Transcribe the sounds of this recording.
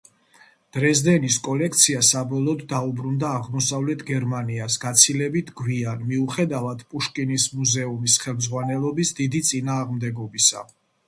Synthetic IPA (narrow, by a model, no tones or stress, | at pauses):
d̪̥ɾɛzd̪ɛniskʼɔlɛk̚ʰt̪sʰiasabɔlˠɔːd̪ːaubɾund̪aːʁmɔsavlɛt̪ʰɡɛɾmaniasɡ̥at̪sʰilɛbit̪ʰɡwianmiuχɛd̪avad̪̥pʼuʃkʼinismuzɛumisχɛlˠmdzʁwanɛlˠɔbisd̪id̪it̪sʼinaːʁmd̪ɛɡɔbisa̰